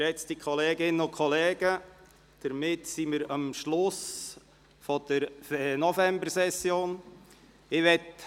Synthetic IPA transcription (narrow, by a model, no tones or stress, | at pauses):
ɛt͡stikʰɔleːɡɪnːəʊkʰɔlɛːɡ̥ə | d̥əɾmɪtsimɪɾɑmʃlʊs | fɔd̥əɾnɔfɛmbəɾsɛsːjoːn | ɪʋɛt